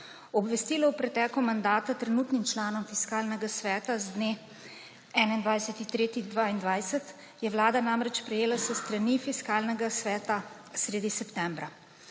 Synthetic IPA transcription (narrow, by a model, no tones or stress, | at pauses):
ɔbʋɛst̪iːlɔwpɾɛt̪ɛːkumand̪aːt̪at̪ɾɛnuːt̪nimt͡ʃlaːnɔmfiskaːlnɛɡasʋɛːt̪azd̪ne | ɛːnaind̪ʋajsɛt̪it̪ɾeːt̪id̪ʋaːind̪ʋajsɛt̪ | jɛʋlaːd̪anamɾɛt͡ʃpɾɛjeːlasəst̪ɾanifiskaːlnɛɡasʋɛːt̪a | sɾeːd̪isɛpt̪ɛːmbɾa